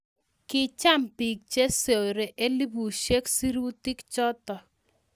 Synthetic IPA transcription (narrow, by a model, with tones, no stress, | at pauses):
kɪ˦t͡ʃa˦˨mpi˨k̚t͡ʃe˦se˨ɾe˨ʔe˦li˦bu˨ʃe˦ksi˦ɾu˦tɪ˦kt͡ʃɔ˦tɔ˨